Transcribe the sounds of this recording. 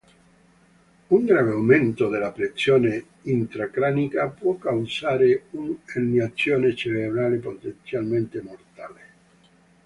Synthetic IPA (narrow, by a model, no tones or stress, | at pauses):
uŋɡɾaːveawment̪od̪elapɾet̪sːjoːne | int̪ɾakɾaːnikapwɔkːawzaːɾeunanːiat̪sːjoːnet͡ʃerebɾaːlepot̪ent̪sjalment̪emort̪aːle